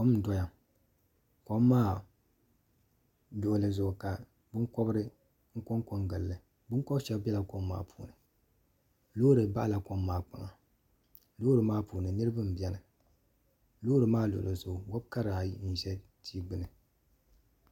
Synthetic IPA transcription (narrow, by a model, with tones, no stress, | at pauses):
ko˦mn̩˨dɔ˦ja˨ | ko˦mː˦aː˦˨ | lʊ˨ʔlɨ˨zʊ˨ʊ˨ka˨ | bʊ˦ŋkɔ˦bɾɨ˦ | ŋ̩˦ko˦ŋko˦ŋɡɨ˨llɨ˨ | bʊ˦ŋkɔ˦bʃɛ˦bbɛ˦la˨ko˦mːa̰ː˦pʰu̥ː˨nɨ˨ | loː˦ɾɨ˨ba˦ʔla˨ko˦mːaː˨k͡pa̰˨ŋa˨ | loː˦ɾɨ˨maː˦puː˨nɨ˨nɨ˦ɾɨ˦bɨ˦m̩˨bɛ˦nɨ˨ | lo˦ɾɨ˨maː˦lʊ˨ʊ̰˨lɨ˨zʊ˨ɡʊ˨wɔ˦bka˦ɾaː˨˦n̩˨ʒɛ˦ | tʰiː˦ɡ͡bɨ˦nɨ˨